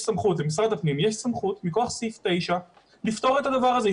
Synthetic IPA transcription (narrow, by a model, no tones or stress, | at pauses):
samχut̪lemis̬ʁad̪afnimjeʃsamχut̪mikoaχsift̪e̞jʃa | lift̪o̞ʁet̪ad̪avaʁaze